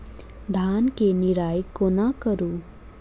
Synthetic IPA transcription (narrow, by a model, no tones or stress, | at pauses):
d̪ʱankeniɾaːjikːonakəɾu